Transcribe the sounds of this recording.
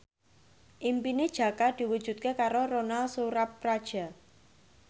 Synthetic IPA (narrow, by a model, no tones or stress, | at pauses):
ʔimpined̥ʒ̥a̤kad̪̥i̤wud̥ʒ̥ṳt̪̚kekaɾoronalsuɾapːɾad̥ʒ̥a̤